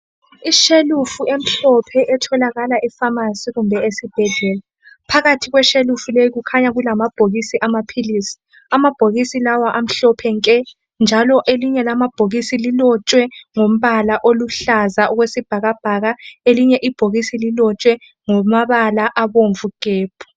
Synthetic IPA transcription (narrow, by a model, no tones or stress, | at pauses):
iʃelufuem̩ɬɔpʰɛʔɛtʰɔlaɣalaʔifamasiɣumbʱɛesib̥ʱɛɮɛːla | pʰaɣatʰiɣwɛʃelufulejiɣukʰaɲaɣulamab̥ʱoɣisiʔamapʰiliːsi̥ | amab̥ʱoɣisilawaʔam̩ɬɔpʰɛŋkʼɛ | nd͡ʒʱalɔʔeliɲɛlamab̥ʱoɣisililɔt͡ʃʼwɛŋom̩βalaʔoluɬazaɔɣwesib̥ʱaɣab̥ʱaɣaeliɲɛʔib̥ʱoɣisililɔt͡ʃʼwɛ | ŋɔmaβalaʔaβoɱvuɡ̥ʱeːb̥ʰʱu̥